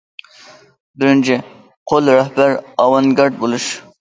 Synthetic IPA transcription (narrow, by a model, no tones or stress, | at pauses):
bɪɾɪnt͡ʃʰɪ | qʰolˠɾɛhbæɾɑwɑnɡʲɑɾd̪̚bolˠuʃ